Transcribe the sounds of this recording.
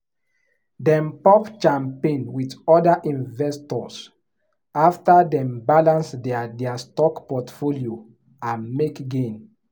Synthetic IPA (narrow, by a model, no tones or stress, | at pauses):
dɛ̃mpɔpt͡ʃãmpẽnwitɔdaʔĩnvɛstɔs | aftadɛ̃mbalãnsdɛadɛastɔkpɔtfolio | ãnmekɡẽn